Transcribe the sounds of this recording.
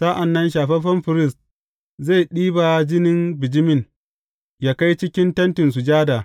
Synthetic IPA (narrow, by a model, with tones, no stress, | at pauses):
saː˦ʔa˨nːɐ˦nʃ̬aː˨ɸɛ˦ɸɐ˦mɸɪ˨ɾɪ˦˨st̚ | za˦˨jɗiː˦ba˨d͡ʒɪ˦nɪ˦mbɪ˨d͡ʒɪ˦mɪ˦˨n | jaː˦ka˦jt͡ʃɪ˦kʲɪ˦ntɐ˦ntɪ˨ns̬u˨d͡ʒaː˦daː˨